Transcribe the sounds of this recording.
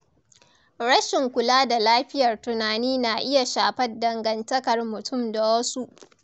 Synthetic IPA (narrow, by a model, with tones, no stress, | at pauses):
ɽɐ˦ʃɪ˨ŋkʷʊ˨laː˦da˨laː˦ɸɪ˦jɐ˨rtʊ˨naː˨niː˦na˨ʔɪ˦ja˨ʃaː˨ɸɐ˦dɐ˨ŋɡɐ˨ntɐ˦kɐ˨rmʊ˨tʰʊ˦˨mda˨wɐ˦su˦ʔ